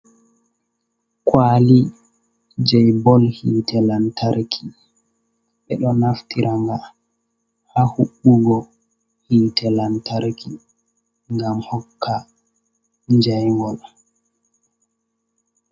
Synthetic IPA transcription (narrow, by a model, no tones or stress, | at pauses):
kwaːli | d͡ʒɛjbɔlhitɛlantʰaɾkʰi̥ | ɓɛɗɔnaftiɾʔaŋɡa | hahuɓːuɡɔ | hiːtʰɛlantaɾkʰi | ŋɡamhɔkʰːa | ɲd͡ʒajŋɡɔl